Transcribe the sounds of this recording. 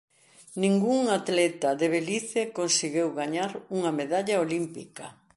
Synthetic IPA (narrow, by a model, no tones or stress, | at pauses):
nĩŋɡuŋat̪lɛt̪ɐðeβeliθekonsiɣewɣaɲaɾuŋɐmeðaʎaolimpḭkɐ